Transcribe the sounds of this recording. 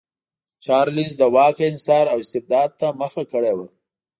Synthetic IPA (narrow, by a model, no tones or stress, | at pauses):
t͡ʃɑɾlizd̪əwɑkeɪnsɑɾawɪst̪ɪb̚d̪ɑd̪̚t̪aməxakəɽewa